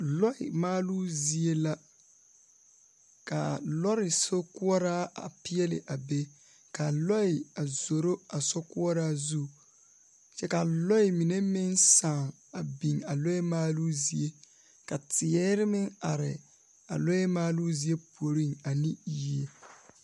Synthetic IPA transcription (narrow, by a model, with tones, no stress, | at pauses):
lɔ˦ɪ̰˨maː˦lu˦zi˦e˦la˦ | ka˨lɔ˦ɾɪ˨so˦kʊ˦ɔ˦ɾaː˦a˨pɪ˦ɛ˦lɪ̰˨ʔa˨be˦ | ka˨lɔ˦ɪ˨a˨zo˨ɾo˦a˨so˦kʊ˦ɔ˦ɾaː˦zu˦ | t͡ʃɛ˦ka˨lɔ˦ɪ˨mi˨ne˦mɪ˦nsa˨ŋ | a˨bi˨ŋa˨lɔ˦ɛ˦maː˦lu˦zi˦e˦ | ka˨tɪ˨ɛː˦ɾɪ˦mɪ˦ŋa˨ɾɪ̰˨ | a̰˨lɔ˦ɛ˦maː˦lu˦zi˦e˦pu˨o˨ɾi˦ŋa˨ni˦ji˨e˨